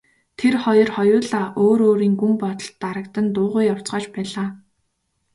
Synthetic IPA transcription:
t̪ʰerχɔjɞ̆rχɔjʊːɮaːʔoːɾoːɾiːŋɡumpɔt̪ɞ̆ɬt̪ːaɾə̆kt̪ə̆nt̪ʊːʁʊːjaw̥t͡sɢaːt͡ɕpæːɮaː

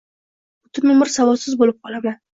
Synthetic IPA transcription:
ʊt̪ʰɪmɪmɪɾsavɒsɪzbolɪp̚qʰɒlˠamlan

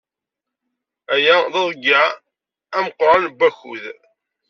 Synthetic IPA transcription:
æjæðɑðˤɡa | æməqːɾˤɑnbːæçṵð

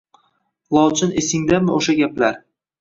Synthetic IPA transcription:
lˠɒt͡ʃʰɪnesɪŋd̪amɪʔoʃaɡʲaplaɾ

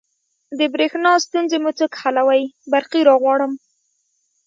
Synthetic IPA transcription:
d̪əbɾexnɑst̪unzemut͡səkhalawajbaɾqiɾɑɣwɑɽəm

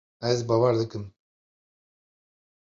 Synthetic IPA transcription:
ɛzbaːwaɾd̪ɨkɨm

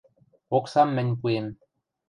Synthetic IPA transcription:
oksɑmːɘ̆nʲp̬uem

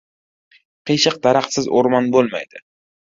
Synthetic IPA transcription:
qʰɨjʃɪq̚d̪aɾaχt̪sɪzoɾmanbolˠma̰jd̪̥ɪ

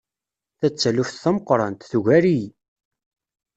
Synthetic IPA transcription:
θæt͡sːælufθθæməqɾˤɑnt̪θuʝæɾij

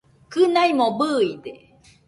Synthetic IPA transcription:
kɯnaimobɯːid̪e

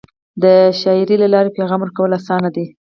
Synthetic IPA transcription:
d̪əʃɑɪɾilalɑɾepeɣɑmwəɾkawəlasɑnad̪i

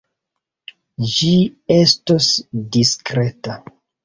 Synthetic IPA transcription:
d͡ʒie̞stosdiskɾe̞ta

